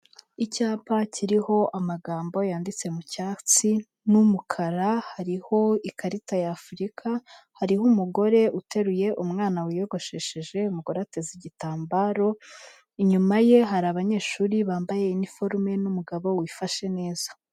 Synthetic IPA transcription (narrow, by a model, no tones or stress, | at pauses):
icaːpacʰiɾiho̞ʔamaɡaːmbo̞jaːndit͡se̞mucaːt͡si | numukʰaɾahaɾiho̞ikʰaɾitajaːfuɾikʰahaɾihumuɡo̞ɾe̞ute̞ɾuje̞ʔumŋaːnawijo̞ɡo̞ʃeʃeʒe̞umuɡoɾateziɟitaːmbaɾo̞ | iɲumaje̞ɦaɾaβaɲe̞ːʃuːɾiβaːmbaje̞inifo̞ɾme̞numuɡaβo̞wifaʃe̞ne̞ːz̥ḁ